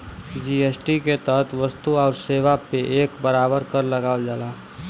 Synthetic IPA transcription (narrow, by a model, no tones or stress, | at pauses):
d͡ʒiːeːsʈiket̪əɦt̪ʰʋəst̪uɔːɾseːʋapeʔeːkbəɾaːbəɾkəɾləɡaːd͡ʒaːlaː